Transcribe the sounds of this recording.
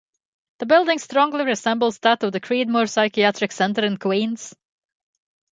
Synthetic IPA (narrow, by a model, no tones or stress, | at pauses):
ðəbɪlˠdɪ̃ŋstɹ̥ɔ̃ŋliɹɪzɛ̃mbl̩ˠzðəɾʌvðɨkʰɹ̥id̚mɔɹsaɪkiætɹ̥ɨksɛ̃ntə˞ɨ̃nkʰwĩːnz̥